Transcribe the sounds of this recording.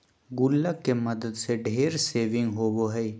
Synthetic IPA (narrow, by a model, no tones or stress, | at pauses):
ɡʊlːəkːemɐd̪əd̪seɖʱeːɾseːʋɪ̃ŋɡɦoːboɦɛi